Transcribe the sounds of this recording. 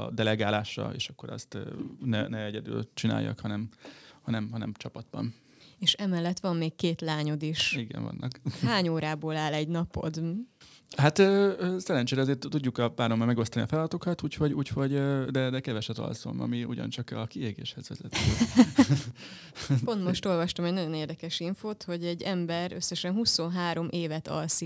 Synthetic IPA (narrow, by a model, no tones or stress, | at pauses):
d̪ɛlɛɡaːlaːʃɒ̰ḛːʃɒkːo̞ɾɒ̰st̪ːnɛnɛɛɟɛd̪y̰ːlt͡ʃina̰ːjːɒ̰khɒnɛmhɒnɛmɦɒnɛmt͡ʃɒpɒd̪̚bɒ̰n | eːʃɛmɛlːɛt̪ʋɒmːeːkkeːt̪laːɲod̪iʃiɡɛ̰ɱvɒ̰nːɒkhaːɲoːɾaːboːlaːlɛɟnɒpo̞̰d̪ | hat̪øːsɛɾɛnt͡ʃeːɾɛɒzeːrt̪t̪uɟːukɒpaːɾomːɒmɛɡo̞st̪ɒniɒfɛlɒd̪ɒt̪o̞kɒt̪uːchoɟuːcho̞ɟød̪ɛd̪ɛkɛvɛʃɛt̪ɒ̰lso̰mɒ̰miṵɟɒ̰nt͡ʃɒkɒkieːɡḛːʃhɛzʋɛzɛt̪ː | po̞nt̪mo̞ʃt̪o̞lvɒʃt̪omɛɟnɒɟo̞neːrd̪ɛkɛʃiɱfoːt̪ho̞ɟɛɟːɛmbɛɾøsːɛʃɛnɦuso̞nɦaːɾo̞mʔeːvɛt̪ɒ̰lsi